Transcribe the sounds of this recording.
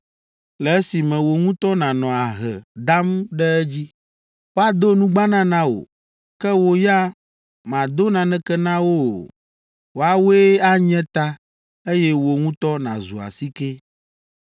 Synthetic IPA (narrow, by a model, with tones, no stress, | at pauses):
lɛ˨ɛ˦si˨mɛ̃˨wo˨ŋũ˦t̪ɔ˦nã˨nɔ̃˨a˨ɦɛ̰˨d̪a˦mɖɛ˦ɛ˦d͡ʑi˦ | wo˦a˦d̪o˦nũ˦ɡ͡ba˦nã˦nã˦wo̰˨ | kɛ˦wo˨ja˦ | mã˨d̪o˦nã˨nɛ̃˦kɛ˦nã˦wo˦˨ | wo˨a˨we˦a˦ɲɛ̃˦t̪a˦ | e˦jɛ˦wo˨ŋũ˦t̪ɔ˦nã̰˨zṵ˨a̰˨si˦ke˦